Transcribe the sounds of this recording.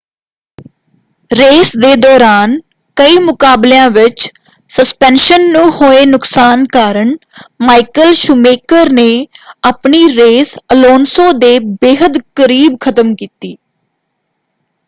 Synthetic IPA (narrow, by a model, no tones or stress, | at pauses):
ɾeːsd̪eːd̪ɔːɾaːn | kəiːmʊkaːbljãːʋɪt͡ʃ | səspɛ̃ːnʃənːũːhoːeːnʊksaːnkaːɾəɳmaːikəlʃʊmeːkəɾneːaːpɳiːɾeːsəloːnsõːd̪eːbeːɦəd̪kəɾiːbkʰət̪əmkiːt̪iː